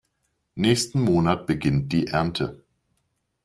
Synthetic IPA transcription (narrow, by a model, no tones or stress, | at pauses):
nɛːçstn̩moːnat̚b̥əɡɪnt̚d̥iːʔɛɐntʰə